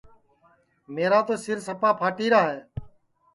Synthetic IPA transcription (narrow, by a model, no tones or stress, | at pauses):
meːɾaːt̪oːsɪɾsəpaːpʰaːʈiːɾaːɦeː